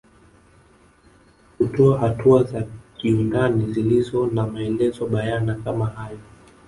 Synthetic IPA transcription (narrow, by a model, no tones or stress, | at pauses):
kutɔahatuazakiundanizilizɔnamaɛlɛzɔɓajanakamahajɔ